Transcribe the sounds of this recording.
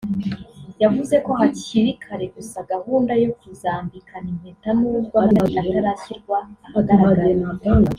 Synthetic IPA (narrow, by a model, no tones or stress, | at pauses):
javuze̞ko̞ɦaciɾikʰaɾe̞ɡusaɡahuːndajokuzaːmbikʰanim̥etanuːbɡwaaataɾasiɾɡwaaaɾaaenaban